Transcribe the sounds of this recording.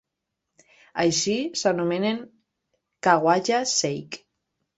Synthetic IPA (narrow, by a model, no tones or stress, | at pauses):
ajʃisanumeneŋ | kaɣwaʒasejk